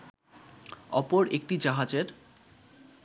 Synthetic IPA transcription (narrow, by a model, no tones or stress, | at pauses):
ɔpoɾek̚ʈid͡ʑaɦad͡ʑeɾ